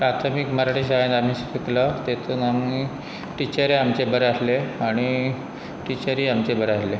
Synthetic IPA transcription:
pɾat̪ʰəmikməɾaʈis̬aɦenam̤isəfʰiklət̪et̪uːnami | ʈit͡ɕəɾeamt͡ɕebəɾasleaɽ̃i | ʈit͡ɕəɾiamt͡ɕebəɾasle

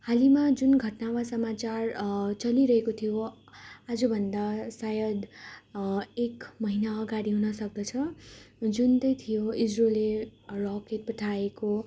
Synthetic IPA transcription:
halimad͡zunɡʱʌʈnawasʌmat͡sart͡sʌliɾʌɦekot̪ʰijo | ad͡zʌbʱʌnd̪asajʌd̪ | ekmʌɦinaʌɡaɽiɦunʌsʌk̚d̪ʌt͡sʰʌ | d͡zunt̪ʌjt̪ʰijoid͡zrolerɔkeʈ̚pʌʈʰaeko

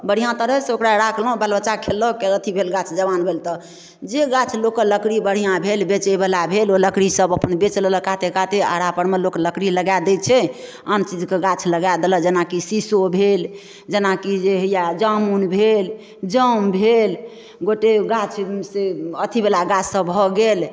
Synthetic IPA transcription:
bəɽ̤ijãt̪əɾəseokɾaɾakʰlɦũbalbət͡ʃakʰelːəkeət̪ʰibʱelɡat͡ʃʰd͡ʒəbanbʱelt̪ɔ | d͡ʒeɡat͡ʃʰlokələkɽibəɽ̤ijãbʱelbet͡ʃebelabʱeloləkɽisəbəpənbet͡ʃlləkat̪ekat̪ea̰ɽapəɽmelokləkɽiləɡad̪ɛt͡ʃʰɛ | ənt͡ʃid͡ʒkeɡat͡ʃʰləɡad̪eləd͡ʒenakisisobʱel | d͡ʒenakid͡ʒeɦəjad͡ʒəmunbʱel | d͡ʒəmbʱel | ɡoʈeɡat͡ʃʰseət̪ʰibelaɡat͡ʃʰsəbbʱɔɡel

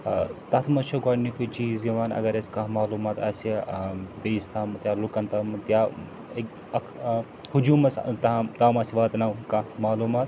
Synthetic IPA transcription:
t̪ɐt̪ʰmɐʃʰɐɡaːɽnikut͡ʃiːzjiʋaːnɐ̰ɡɐɾeskaɦmaːluːmaːt̪ɐːsebeːst̪ʰaːmɐt̪jaːlukɐnt̪ɐmɐt̪ja | ek | ɐkʰ | hud͡ʒuːmɐst̪ɐt̪aːmɐsʲiʋaːt̪nawkɐmaːluːmaːt̪

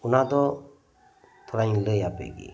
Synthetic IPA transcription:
unad̪ɔ | t̪ʰɔɾaĩləjapḛɡḭ

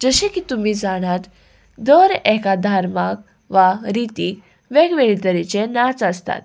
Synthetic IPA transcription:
d͡zəɕẽkiːt̪umiːd͡zaɽ̃at̪ | d̪əɾɛkad̪ʱaɾmak̚ | ʋaɾit̪iːk | ʋeɡʋeɭit̪əɾit͡ɕenat͡səst̪a̰t̪̚

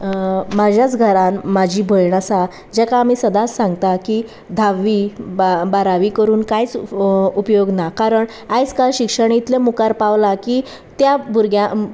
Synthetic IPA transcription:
mad͡ʑjat͡sɡʱəɾanmad͡ʑʱiːbʱəjɳasa | d͡ʑakaːmiːsəd̪asãŋɡt̪aki | d̪ʱaʋːiːbaɾaʋiːkəɾuːnkajt͡supjoɡnakaɾəɳ | ajt͡skaɕikʂəɳ̃eit̪lemukaɾpaʋlakiː | t̪jabuɾɡjã

